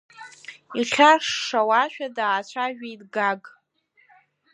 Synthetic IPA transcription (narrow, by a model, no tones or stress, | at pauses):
iχʲarʂːawaʃᶣadaːt͡ʃʷʰaʒᶣejtɡaɡʼ